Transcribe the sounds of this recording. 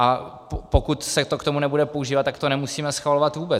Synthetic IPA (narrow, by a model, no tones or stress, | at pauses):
ʔappokut̪sɛt̪okt̪omunɛbudɛpo̞ʔuʒiːvat̪ːakt̪onɛmusiːmɛsxvalo̞vat̪vuːbɛ